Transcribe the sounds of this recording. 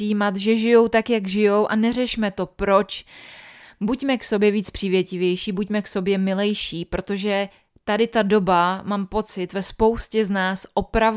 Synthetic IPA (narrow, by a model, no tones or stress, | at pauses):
iiːmat̪ʒɛʒɪjo̞wt̪akjaɡʒɪjo̞wʔanɛrɛʃmɛt̪o̞pɾo̞t͡ʃ | bucmɛkso̞bjɛviːt͡spr̝̥iːvjɛcɪvjɛjʃiːbucmɛkso̞bjɛmɪlɛjʃiːpɾo̞t̪o̞ʒɛ | t̪adɪt̪ado̞bamaːmpo̞t͡sɪt̪vɛspo̞wscɛznaːsʔo̞pɾav